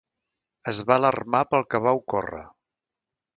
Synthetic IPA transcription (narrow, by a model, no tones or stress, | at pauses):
əzβaələrmapəlˠkəβawkɔ̰rə̰